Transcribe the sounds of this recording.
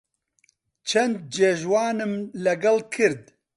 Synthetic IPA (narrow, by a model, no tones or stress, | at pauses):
t͡ʃʰɐnd̪̚d͡ʒeːʒwaːnɨmlɛɡɛlkʰɨɾd̪̚